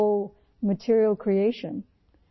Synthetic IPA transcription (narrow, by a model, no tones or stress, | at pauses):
mɨtʰɪɹil̩ˠkʰɹ̥ieɪʃɨ̰̃n